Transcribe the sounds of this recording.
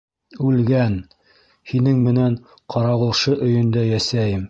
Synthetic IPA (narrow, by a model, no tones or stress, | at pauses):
ʉlɡæn | hinɘŋmɘ̆næɴ | qʰɑɾɑʁɤ̆lˠʃɤʔɵ̆jɵ̆nd̪æjæsæjɘm